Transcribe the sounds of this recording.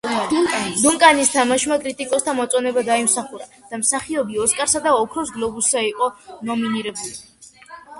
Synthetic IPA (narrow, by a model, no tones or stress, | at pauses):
d̪uŋkʼanist̪ʰamaʃmakʼɾit̪ʼikʼɔst̪ʰamɔt̪sʼɔnɛbad̪aimsaχuɾad̪̥amsaχiɔbiɔskʼaɾsad̪aɔkʰɾɔsɡlˠɔbusːaiqʼɔnɔminiɾɛbuli